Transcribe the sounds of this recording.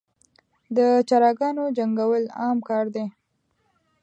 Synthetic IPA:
d̪ət͡ʃaɾɑɡɑnod͡ʒaŋɡawəlɑmkɑɾd̪e

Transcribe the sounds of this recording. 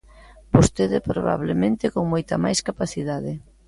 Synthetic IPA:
bost̪eðɪpɾoβa̰β̞lemẽnt̪ɪkoŋmojt̪ɐmajskapaθiðaðɪ

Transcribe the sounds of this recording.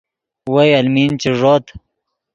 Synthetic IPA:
wajɐlmint͡ɕiʐoːt̪

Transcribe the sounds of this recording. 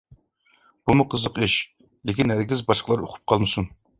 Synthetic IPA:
b̥umʊqʰəzəqiʃ | lɪkʲinhæɾɡʲizbɑʃqəlˠɑɾo̰qʰʊ̥p̚qʰɑlˠmɨsun

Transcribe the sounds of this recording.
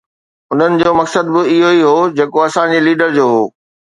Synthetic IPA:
ʊn̤ənɪ̆d͡ʑoːmɐksəd̪bɪɪɦoiɦoːd͡ʑeːkoɐsãd͡ʑeːliːɖəɾd͡ʑoːɦoː

